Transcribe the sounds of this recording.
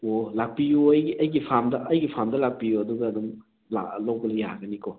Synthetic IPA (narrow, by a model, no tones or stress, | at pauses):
olak̚pijuɐjɡiɐjɡipʰamdɐʔɐjɡipʰamdɐlak̚pijuɐduɡɐːdum | la̰lowbɐlɐjaɡɐnikʰo